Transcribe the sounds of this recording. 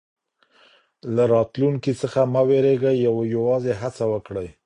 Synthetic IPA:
laɾɑt̪luŋkit͡səxamaweɾeɡajːawjawɑzeɦat͡sawəkɽəj

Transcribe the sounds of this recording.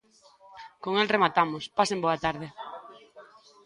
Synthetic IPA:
koŋɛlremat̪amʊspasemboat̪aɾðɪ

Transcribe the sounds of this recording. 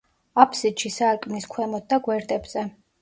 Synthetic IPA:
apʰsid̪ʃisaɾkʼniskʰwɛmɔt̪̚d̪aɡwɛɾd̪ʼɛbz̥ɛ

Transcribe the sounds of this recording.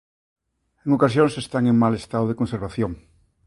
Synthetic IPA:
eŋokas̬jõŋsest̪aŋeŋmalest̪aðoðekonseɾβaθjoŋ

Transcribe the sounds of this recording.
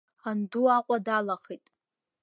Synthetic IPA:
anduaqʷʼadalaχitʼ

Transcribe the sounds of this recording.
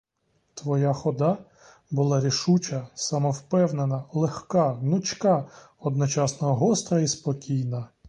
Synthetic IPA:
t̪ʋɔjaxɔd̪ɑ | bʊlˠɑɾʲiʃut͡ʃɐsɑmɔwpɛwnenɐlˠexkɑnʊt͡ʃʲkɑ | ɔd̪nɔt͡ʃɑsnɔɦɔɦɔst̪ɾɐispɔkʲijnɐ

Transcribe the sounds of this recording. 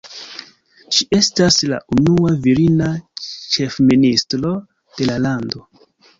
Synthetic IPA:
ʃie̞stasla̰ʔunuaviɾinat͡ʃe̞fministɾo̞ | d̥e̞lalando̞

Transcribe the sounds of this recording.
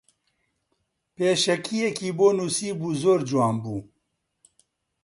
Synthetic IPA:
peːʃɛkʰijɛkiːboːnuːsiːbuːzoːɾd͡ʒwɑːnbuː

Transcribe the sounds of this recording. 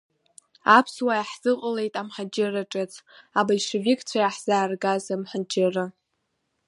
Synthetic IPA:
apʰswajaħz̥ɨqʼəle̞jtʼamħad͡ʒɪraʈ͡ʂʼɨt͡sʼʰabajʂɨvikʰʼt͡sʷʰajaħz̥aːrɡazamħad͡ʒɪrɨ

